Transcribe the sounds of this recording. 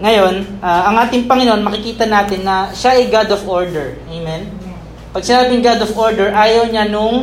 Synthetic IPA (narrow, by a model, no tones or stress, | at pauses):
ŋɐjo̞nʔaʔɐŋʔaːt̪ɪŋpɐŋɪnoʔonmɐkɪkiːt̪ɐnaːt̪ɪnːɐʃaʔɛjɡad̪ofoɹd̪ɛɹʔejmɛn | pɐɡ̚sɪnaːbɪnɡad̪ofʔo̞ɹd̪ɛɹʔaːjɐwɲanʊŋ